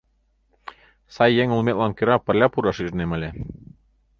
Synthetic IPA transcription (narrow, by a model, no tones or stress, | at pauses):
sɑjːeŋulˠmet̪lɑnkø̆ɾɑpɘ̆rlʲɑpuɾɑʃiʒnemɘ̆lʲe